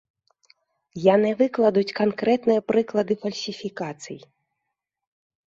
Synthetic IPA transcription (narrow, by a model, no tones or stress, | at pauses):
janɛvɨklˠɐd̪ut͡sʲkankɾɛt̪nɨjɐpɾɨklˠɐd̪ɨfɐlʲsʲifʲikat̪sɨ̰j